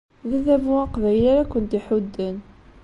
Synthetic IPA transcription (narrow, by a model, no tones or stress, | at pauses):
ðəðævuæqvæjlæɾækʷːənt̪iħud̪ːən